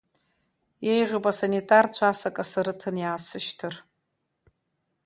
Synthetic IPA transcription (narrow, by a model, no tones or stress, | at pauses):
jejʁəpʼasanitʼart͡ɕʷʰasakʼasaɾɨtʰɨnjaːsɨʃtʰɨr